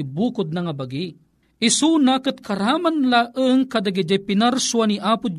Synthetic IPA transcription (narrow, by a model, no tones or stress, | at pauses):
ibukʊd̪̚nɐŋabaɡi | isunakɨt̪̚kʰɐɾamanlaʔəŋkad̪aɡid͡ʒajpinaɾsuaniʔapud͡ʒ